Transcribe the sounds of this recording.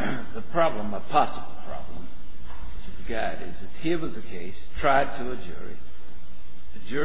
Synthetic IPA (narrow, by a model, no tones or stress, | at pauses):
ðɨpʰɹ̥ɑblə̃məpʰɑsəbl̩ˠpʰɹ̥ɑ̰blə̃m | wɨt͡ʃɨ̥ɨɡɑɾɪ̰zɨfhiɹwʌzɨkʰeɪstʰɹ̥aɪd̚tʰɨːd͡ʒʊ̰ɹḭ | ɨd͡ʒʊ